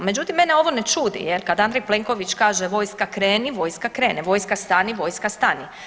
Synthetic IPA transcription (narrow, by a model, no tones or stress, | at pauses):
me̞d͡ʑut̪imːeneo̞ʋonet͡ʃuːd̪ḭjelkad̪and̪ɾejplˠeŋko̞ʋit͡ʃkaːʒeʋo̞ːjskakɾeːniʋo̞jskakɾe̞ːnɛʋo̞jskast̪aniʋo̞jskast̪ani